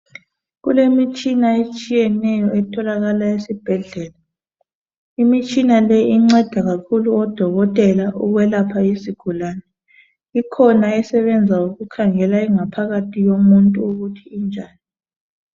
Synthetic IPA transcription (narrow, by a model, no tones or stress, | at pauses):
ɣulemit͡ʃʼinaet͡ʃʼijɛnɛjɔɛtʰɔlaɣalaesib̥ʱɛɮɛːla | imit͡ʃʼinalɛiŋ͡ǀɛd̥ʱaɣakʰuluɔd̥ʱɔɣɔtʼɛlaʔuɣwɛlapʰaisiɡ̥ʱulaːnɛ | ikʰɔnaɛsɛβɛnd͡zʱauɣukʰaŋɛlaiŋapʰaɣatʰiɣomuntʼuuɣutʰiːnd͡ʒʱaːni